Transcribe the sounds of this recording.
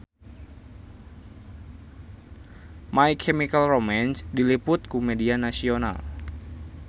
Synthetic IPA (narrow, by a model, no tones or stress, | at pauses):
maikʰɛmikalromɛnsdilipʊt̪̚kumɛdianasiona̰l